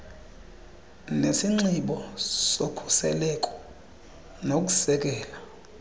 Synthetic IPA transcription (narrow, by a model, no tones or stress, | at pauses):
nesiŋ͡ǀiɓɔsokʰu̥sɛlɛkʼɔ̥ | nok̬ʼu̥sɛk̬ʼɛːla